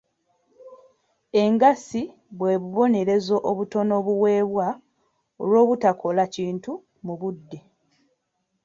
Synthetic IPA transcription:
e̞ŋɡasi | βwe̞ːβuβo̞ne̞ɾe̞zo̞ʔoβuto̞no̞βuwe̞ːβwa | olwo̞ːβutakʰo̞laciːntu | muβudːe

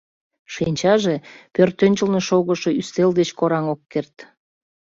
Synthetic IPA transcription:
ʃinʲt͡ɕɑʒepørt̪ːønʲt͡ɕəlneʃoɣəʃoyst̪eld̪et͡ɕkoɾɑŋokːert̪

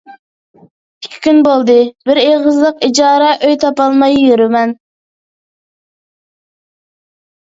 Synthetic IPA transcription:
ikʲʰi̥kʲynbolˠd̪ɨbɪɾeʁəzlˠəqid͡ʒɑːɾɛʔøjt̪ʰɑpɑlˠmɑjːøɾymɛn

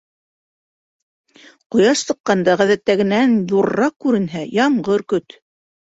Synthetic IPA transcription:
qŏjɑʃsɤ̆qːɑnd̪ɑʁæðæt̪ːæɡɘ̆nænjuɾːɑq̚kːʉɾɘ̆nɦæjɑɴɢɤɾkɵt̪

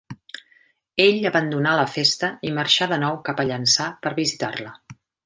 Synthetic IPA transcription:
eʎəβənd̪unaləfest̪əiməɾʃaðənɔwkapəʎənsapəɾβizit̪arlə

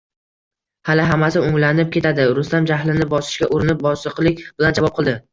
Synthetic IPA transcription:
halɪɦamasɪʊŋlanɪp̚kʲʰe̞t̪ʰad̪ɪɾʊst̪amd͡ʒahlɪnɪbɒsɪ̥ʃkʲaʔʊɾɪnɪp̚bɒsɨqlˠɪkʲb̥ɪland͡ʒavɒp̚qʰɨlˠd̪ɪ

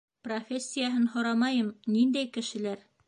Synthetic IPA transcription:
profʲesʲːijaɦɤnhŏɾɑmɑjɤmnind̪æjkɘ̆ʃɘ̆læɾ

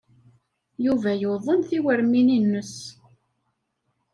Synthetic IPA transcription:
juvæjoðˤənθiwəɾmininːəs

